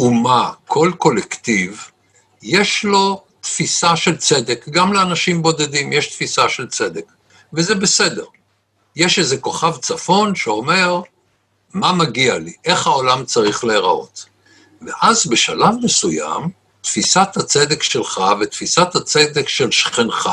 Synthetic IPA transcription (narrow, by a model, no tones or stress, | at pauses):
umakʰo̞lko̞lekt̪iv | jeʃlo̞ | t̪fisaʃe̞lt͡sed̪ekɡamleanaʃimbo̞d̪ed̪imjeʃt̪fisaʃe̞lt͡se̞d̪ek | vezebe̞se̞d̪e̞ʁ | jeʃezeko̞χavt͡safo̞nʃeo̞me̞ʁ | mamaɡialiʔe̞χhao̞lamt͡saʁiχleːʁa̰ʔo̞̰t̪ | veʔazbe̞ʃalavmesuja̰m | t̪fisat̪hat͡sed̪ekʃelχavet̪fisat̪hat͡sed̪ekʃe̞lʃχinχa